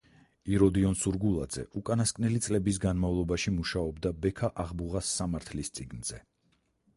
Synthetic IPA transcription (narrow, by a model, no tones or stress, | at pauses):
iɾɔd̪iɔnsuɾɡulˠa̰d̪zɛ̰ʔukʼanaskʼnɛlit̪sʼlɛbis̬ɡanmavlˠɔbaʃimuʃaɔbd̪abɛkʰaʔaʁbuʁasːamaɾt̪ʰlist̪sʼiɡnz̥ɛ